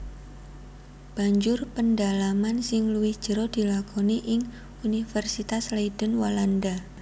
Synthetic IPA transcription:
b̥a̤ɲd͡ʒʊrpəndalamansɪŋluwɪhd̥ʒ̥əɾɔd̪̥i̤lakʰoniʔɪŋ | unifərsit̪asleid̥ənwalanda

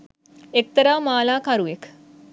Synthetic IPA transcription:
ek̚t̪əɾaːmaːlaːkaɾuʋek

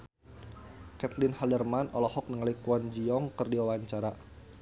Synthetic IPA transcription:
kɛt̪lɪnhaldərmanɔ̰lɔhɔk̚nəŋalikuɔnd͡ʒiɔŋkɨrdiwawaɲt͡ʃaɾa

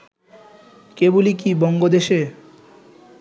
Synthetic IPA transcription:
kebulikibɔŋɡod̪eʃe

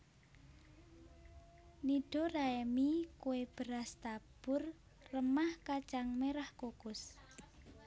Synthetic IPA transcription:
niɖ̥oraemikuweb̥əɾast̪ab̥ʊr | rəmahkat͡ʃaŋmeɾahkokʊs

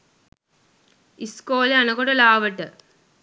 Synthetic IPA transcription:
iskoːleɐnɐkoɽɐlaːʋɐʈːɨ

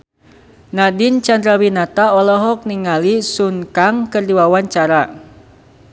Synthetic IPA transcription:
nadint͡ʃand̪ɾawinat̪aɔlɔɦɔk̚niŋalisunkaŋkɨrdiwawaɲt͡ʃaɾa

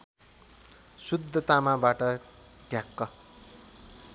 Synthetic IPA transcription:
sud̪ʱːʌt̪amabaʈʌ | ʈjakːʌ

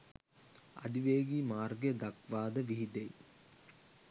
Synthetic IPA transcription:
ɐ̰d̪iʋeːɡimaːrɡjɐd̪ɐkʋaːd̪ɐʋiɦid̪ej

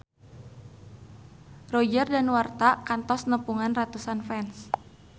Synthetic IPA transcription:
rɔd͡ʒərdanwart̪akant̪ɔsnəpuŋanrat̪usanfɛns

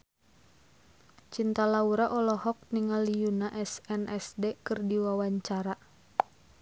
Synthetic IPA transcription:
t͡ʃint̪alauɾaʔɔlɔhɔk̚niŋalijunaʔɛsɛnʔɛsdekɨrdiwawaɲt͡ʃaɾa

